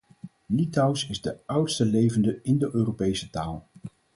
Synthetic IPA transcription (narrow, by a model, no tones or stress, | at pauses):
litɑwsɪzdəʌwtstəlejvəndəɪndəʔøːropejsətaːlˠ